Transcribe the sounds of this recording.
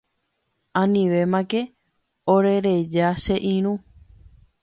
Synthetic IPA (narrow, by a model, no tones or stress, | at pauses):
ãnĩʋe̞mãke̞ | oɾe̞ɾe̞d͡ʒaʃe̞ʔĩɾ̃ũ